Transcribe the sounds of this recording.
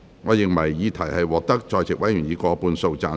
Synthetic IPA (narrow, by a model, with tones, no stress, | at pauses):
ŋɔː˨˧jɪ˨ŋmɐ˨˩jːiː˨˧t̪ʰɐ˨˩jhɐ˨jwɔː˨k̚t̪ɐ˥k̚t͡ʃɔː˧jt͡sʰɪ˨k̚wɐ˨˥jy˨˩njiː˨˧kɔː˧˥puː˧nso˧wt͡saː˨˧